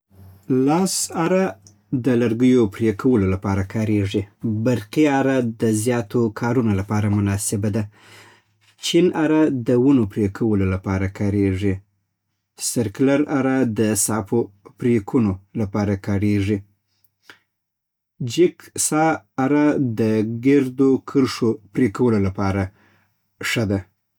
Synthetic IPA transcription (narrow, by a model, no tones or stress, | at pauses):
lɑsaɾa | d̪əlaɾɡəjopɾekʰawəlolapɑɾakɑɾeʐibaɾqiaɾad̪əzjɑt̪okʰɑɾunolapɑɾamʊnɑsɪbad̪a | t͡ʃinaɾad̪əwunopɾekʰawəlolapɑɾakɑɾeʐi | sɪɾklaɾaɾad̪əsɑpopɾekʰunolapɑɾakɑɾeʐi | d͡ʒɪksɑːɾad̪əɡeɾd̪okʰəɾʂopɾekawəlolapɑɾa | ʂəd̪a